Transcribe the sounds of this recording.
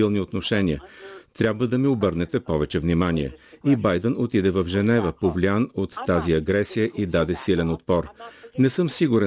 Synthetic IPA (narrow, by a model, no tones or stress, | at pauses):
ilˠniot̪noʃɛnʲiət̪ɾʲjabvəd̪ɐmiobɤɾnɛt̪ɛpɔvɛt͡ʃɛvnimaniɛ̰ibajd̪ənot̪id̪ɛvɐvʒɛnɛvəpovlʲianot̪ːaziɐɡɾɛsijəʔid̪ad̪ɛsilɛnot̪̚pɔɾnɛsɤmsiɡuɾɛ